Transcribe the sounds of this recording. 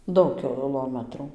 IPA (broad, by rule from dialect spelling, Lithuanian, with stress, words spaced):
ˈdɐʊk kʲɪˈlˠoːmɐtruː